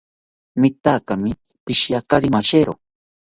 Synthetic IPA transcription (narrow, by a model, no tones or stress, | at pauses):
mɪt̪akamɪ | pɪʃjakaɾimaʃeɾo